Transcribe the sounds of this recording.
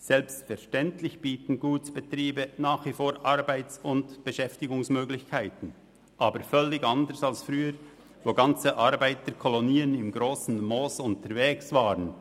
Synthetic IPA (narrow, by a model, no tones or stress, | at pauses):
sɛlpstfɛʁʃtɛntlɪçb̥iːtn̩ɡuːtb̥ətɾiːbənaːχvifoːɾʔaɾbaɪt͡sʊntb̥əʃɛftɪɡʊŋsmøːɡlɪçkʰaɪtn̩ | ʔaːbəɾfœlːɪɡɑndəɾsalsfɾyːəɾ | voːɡɑnt͡səʔɑɾbaɪtəkʰɔloniːənɪmɡɾoːsn̩moːsʊntəɾveːksvaːɾən